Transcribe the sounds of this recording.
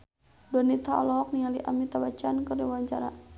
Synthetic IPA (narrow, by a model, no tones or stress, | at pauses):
dɔnit̪aɔlɔɦɔk̚nialiʔamit̪awat͡ʃankərdiwaɲt͡ʃaɾa̰